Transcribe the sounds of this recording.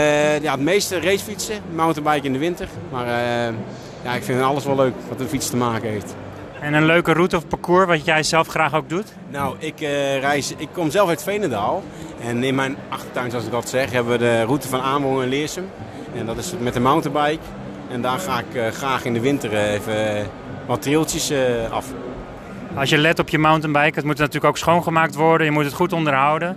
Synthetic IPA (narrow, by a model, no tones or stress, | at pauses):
jatmejstərejsfitsəmawntəbɛjkɪndəʋɪntərmar | jaɪkfɪnɑlˠəsʋɔløɥkʋɑtənfitstəmaːkəɦejft | ɛnənløɥkərutəɔfpakuːɹʋɑtjɛjzɛlˠfχraːxoɡ̚dut | nowɪkrɛjsɪkʰːɔmzɛlˠfœɥtfejnədaːlˠ | ɛnɪnmɛjnɑxtə̥tœɥnsɑlsɪk̚dɔtsɛxɦɛbəʋədərutəfɔnaːnʋɔŋɛnlɪəsəm | ɛndɔtɪsmɛtəmawntənbɛjk | ɛndaːxaːɪkxraːxɪndəʋɪntərefə | ʋɔtrɪlˠtjəsɑ̰f | ɑlˠsjəlɛtɔpjəmawntənbɛjkətmutnatyːləkowksχownχəmaːk̚tʋɔɹdənjəmutətχutɔndərɦawdən